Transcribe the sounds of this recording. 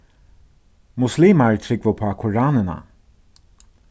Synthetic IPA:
mʊsliːmaɹt̪ʰɾɪkvʊpʰaːkʰʊɹɑːnəna̰

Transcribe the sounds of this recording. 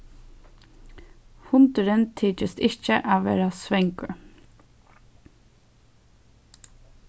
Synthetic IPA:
hʊnt̪əɾɪnt̪ʰiːt͡ʃɪst̪ɪht͡ʃəʔaʋḛːɾasʋɛŋkʊɹ

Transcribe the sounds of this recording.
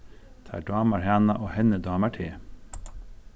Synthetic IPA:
t̪ʰɑ̰ːɖɑːməɾhæːnɑʔoːhɛnəd̪ɑːməʈʰeː

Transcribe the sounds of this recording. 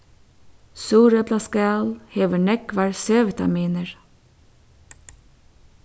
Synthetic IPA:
suːɾəplɑskɑlheːʋəɳɛkʋɑːɹsøːʋɛt̪ʰɑ̰miːnəɹ

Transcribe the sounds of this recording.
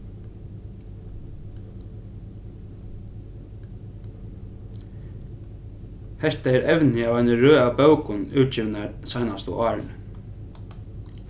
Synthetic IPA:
hɛɾt̪aɛːɾɛʋnɪaːvajnəɾøːabœwkʊnʉːt̪d͡ʒɪʋnaɾsajnast̪ṵʔɑːɹn

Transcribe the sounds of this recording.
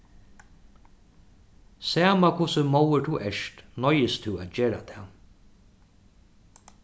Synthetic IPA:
sæːmakʰʊsəmowət̪ʰuʔɛʂt̪nɔjɪst̪ʰuat̪d͡ʒeːɾa̰t̪ʰɛ

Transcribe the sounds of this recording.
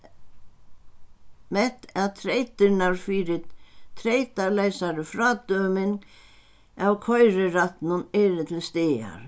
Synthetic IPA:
mɛt̪aðt̪ʰɾejt̪ɪɾnaɾfɪɾɪt̪ʰɾejt̪aleːjsaɾʏfɾaːt̪œːmɪn | awkʰɔjɾɪɾat̪nʊnɛɾɪt̪ʰɪlst̪ɪːa̰ɾ̥

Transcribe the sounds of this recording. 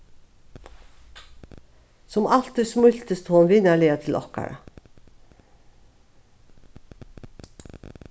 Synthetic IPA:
sɔmɑlt̪̚d̪əsmʉçt̪əst̪ʰuːɑnʋɪnæɭeːɑt̪ʰɪlʔɔ̰kɑ̰ɾɑ

